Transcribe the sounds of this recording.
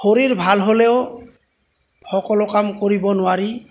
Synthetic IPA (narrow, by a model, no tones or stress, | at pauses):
xoɹiɹbʱalɦolɛʊ | hɔkɔlʊkamkoɹibɔnʊwaɹi